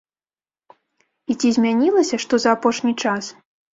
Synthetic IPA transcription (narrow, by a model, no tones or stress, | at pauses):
it͡sʲizʲmʲanʲilˠɐsʲɐʂt̪ɔzɐːpɔʂnʲit͡ʂas